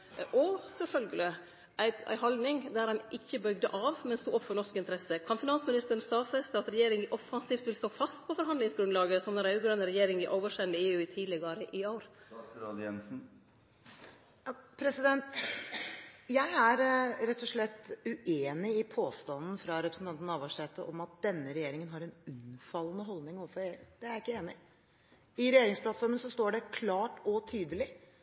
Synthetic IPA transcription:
ʔɔsɛlfœlɡəlɪ | ʔæɪæ̰ɪɦɑld̪nɪŋd̪æɾɑnʔɪçːəbœʏɡd̪ə̰ʔɑːʋmɛnst̪uːʔɔpːfɔɾɳɔʂkɪnt̪əɾɛsəkʰɑnfɪnɑnsmɪnɪst̪əɾn̩st̪ɑːfɛst̪əɑt̪ɾɛjeːɾɪŋʔɔfɑnsiːft̪ʋɪlst̪oːfɑst̪pʰɔfɔɾɦɑnd̪lɪŋsɡɾʉnlɑːɡəsɔmd̪ɛɾʉɡɾœnəɾɛjeːɾɪŋɪʔoːʋəʂɛnd̪əeːʉːɪt̪ʰiːlɛɡəɾəʔɪoːɾɾɑːd̪jɛnsn̩ | ɑpʰɾɛsɪd̪ɛnt̪ | jæɪæɾɾɛt̪ʰːɔʂɭɛt̪ːʉʔeːnɪɪpʰoːst̪ɑnn̩fɾɑɾɛpɾəsn̩t̪ɑnt̪n̩ɑʋɑʂɛːt̪əʔɔmɑt̪̚d̪̥ɛnːəɾɛjeːɾɪŋənɦɑɾɛnʉnfɑlːənəɦɔld̪nɪŋoːʋəfɔɾeːd̪̥ɛæɾɪkːəeːnɪ | ɪɾɛjeːɾɪŋspʰlɑt̪fɔɾmənsɔst̪oːɖɛkʰlɑːʈɔt̪ʰyːd̪əlɪ

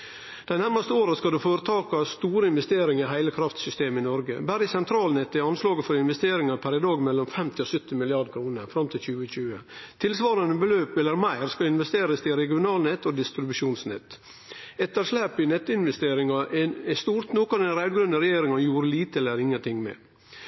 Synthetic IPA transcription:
d̪̥æɪnæɾmɑst̪əoːɾɑskɑd̪ʉfoːɾət̪ʰɑːkɑst̪uːɾəɪnʋɛst̪eːɾɪŋɪɦæɪləkʰɾɑft̪sʏst̪eːmɪnɔɾɡə̰bæɾɪsɛnt̪ʰɾɑːlnɛt̪ːɪɑnslɑːɡəfɔɾɪnʋɛst̪eːɾɪŋɑɾpʰæɾɪd̪ɑːɡmɛlːɔmfɛmt̪ɪɔsœt̪ːɪmɪlɪɑd̪kʰɾuːnəɾfɾɑmt̪ʰɪlçʉːəçʉːət̪ʰɪlsʋɑːɾənəbəløːpɛlːəɾmæɪɾskɑlɪnʋɛst̪eːɾəst̪ɪɾɛɡɪʊnɑːlnɛt̪ːɔd̪ɪst̪ɾɪbʉʂuːnsnɛ̰t̪ː | ɛt̪ːəɾʂlæːpɪnɛt̪ːəɪnʋɛst̪eːɾɪŋɑʔɛst̪uːɾt̪nuːkəɾɛnɾæɪd̪ɡɾʉnd̪əɾɛjeːɾɪŋɑnjuːɾəliːt̪əɛlːəɾɪŋːənt̪ʰɪŋmɛ̰

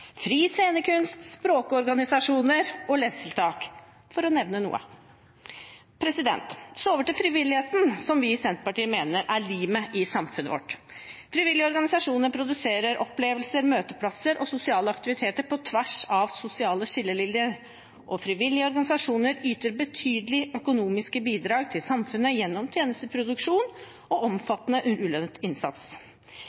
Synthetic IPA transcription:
fɾiːseːnəkʰʉnst̪spɾoːkəɔɾɡɑnɪsɑʂuːnəɾɔlɛsəlt̪ʰɑːk | fɔɾɔnɛʋnənṵːə̰ | pʰɾɛsɪd̪ɛ̰nt̪sɔoːʋəʈɪlfɾɪʋɪlːɪheːt̪n̩sɔmʋɪsɛnt̪ə̥pɑʈiːəmeːnəɾʔæɭiːməʔɪsɑmfʉnə̰ʋɔ̰ʈː | fɾɪʋɪlːɪəɔɾɡɑnɪsɑʂuːnəɾpʰɾʊd̪ʉseːɾəɾʔɔpleːʋəlsəɾmøːt̪əpʰlɑsəɾʔɔsʊsɪɑːləɑkt̪ɪʋɪt̪ʰeːt̪əɾpʰɔt̪ʰʋæʂɑʋsʊsɪɑːləʂɪlːəlɪljəɾ | ʔɔfɾɪʋɪlːɪəɔɾɡɑnɪsɑʂuːnəɾyːt̪əɾbət̪ʰyːd̪əlɪœkʊnuːmɪskəbiːd̪ɾɑːɡt̪ʰɪlsɑmfʉnːəjɛnːɔmt̪ʰjeːnəst̪əpʰɾʊd̪ʉkʂuːn | ɔʔɔmfɑt̪ːnəʔʉʉːlœnət̪ɪnsɑ̰t̪s

